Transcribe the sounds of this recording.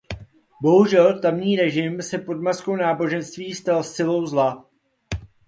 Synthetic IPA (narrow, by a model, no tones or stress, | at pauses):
bo̞ɦuʒɛlt̪amɲiːɾɛʒɪmsɛpo̞dmasko̞wnaːbo̞ʒɛnst̪viːst̪alsɪlo̞wzla